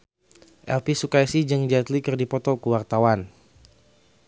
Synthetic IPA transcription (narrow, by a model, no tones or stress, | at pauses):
ʔɛ̰lpisukajsid͡ʒɨŋd͡ʒat̪likɨrdipɔt̪ɔkəwart̪awan